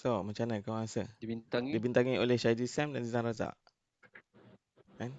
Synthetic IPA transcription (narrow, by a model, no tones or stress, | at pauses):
somãt͡ʃanə̃kawŋasəint̪adibint̪aŋiolehʃad͡ʒisamdansizãnɾaza̰ʔ | an